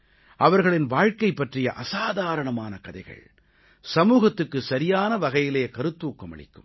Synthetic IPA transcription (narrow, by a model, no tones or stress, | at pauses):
ʔɐʋɐɾɣɐɭɪnʋaːɻkɐɪpːɐʈrɪjɐʔɐsaːðaːɾɐɳɐmaːnɐkɐðɐɪɣɐ̰ɭ | sɐmuːɣɐt̪ːɯkːɯsɐɾɪjaːnɐʋɐɣɐjɪleːkɐɾɯt̪ːuːkːɐmɐ̰ɭɪ̰kːɯm